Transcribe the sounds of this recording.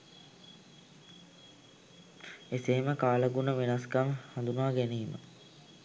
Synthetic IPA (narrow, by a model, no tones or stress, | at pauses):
eseməkaːləɡunəʋenaskaŋhand̪unəʋaɡæniːmə̰